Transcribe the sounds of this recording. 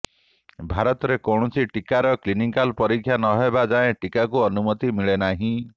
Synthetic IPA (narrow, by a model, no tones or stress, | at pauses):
bʱaɾɔt̪ɔɾekɔɳ̃ɔsiʈikaɾɔklinikalpɔɾikʰjanɔɦebad͡ʒaẽʈikakuɔnumɔt̪imiɭenaɦĩ